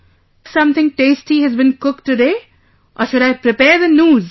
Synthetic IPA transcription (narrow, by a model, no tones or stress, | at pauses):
fsʌ̃mt̪ɪ̃ŋʈeːsʈiɦɨzbɨ̃nkʊk̚ʈɨɖeː | ʔɔːʃʊɾaɪpɾɪpɛːɾðənjuːz